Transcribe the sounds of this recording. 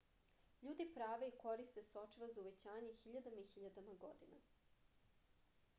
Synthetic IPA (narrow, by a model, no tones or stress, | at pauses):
ʎuːd̪ipɾaːʋe̞iko̞ɾist̪e̞sot͡ʃiʋazauʋe̞t͡ɕaːɲexiʎad̪amaixiʎad̪amaɡo̞̰d̪ina̰